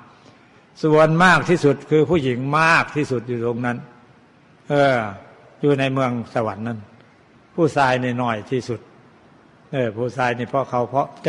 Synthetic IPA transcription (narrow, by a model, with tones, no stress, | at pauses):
su˨˩˦ənmaː˥˩k̚t̪ʰiː˥˩su˨˩t̪̚kʰɯː˧pʰuː˥˩ji˨˦ŋmaː˥˩k̚t̪ʰiː˧˩su˨˩t̪̚juː˨˩t̪o˧ŋna˦˧˥n | ʔɤː˧˩ | juː˨˧na˧jmɯ˧əŋsa˧˩wa˨˦nːa˧˥˨n | pʰuː˥˩saː˧jniː˧˩nɔ˧˩jt̪ʰiː˧˩su˨˩t̪̚ | ʔɤː˧˩pʰuː˧˥˩saː˧jniː˧˩pʰɔ˧˥˨kʰa˨˧˦wpʰɔ˧˥t͡ɕ